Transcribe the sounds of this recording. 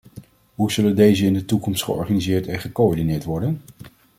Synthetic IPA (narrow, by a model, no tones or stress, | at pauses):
ɦuzɵləndejzəɪndətukɔmstχə̰ɔ̰ɹχanizɪːɹtɛnχəkoɔɹdinɪːɹtʋɔɹdən